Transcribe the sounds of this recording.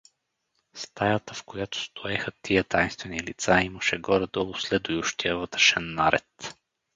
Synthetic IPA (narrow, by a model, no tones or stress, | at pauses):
st̪ajat̪əfkojat̪ʊ̥st̪ʰʊɛxət̪ʰijət̪ajnst̪vɛnilit̪saiməʃɛɡɔɾɛd̪ɔlˠʊslɛd̪ʊjuʃt̪ijəvɤt̪ɾɛ̥ʃɛnːaɾɛ̰t̪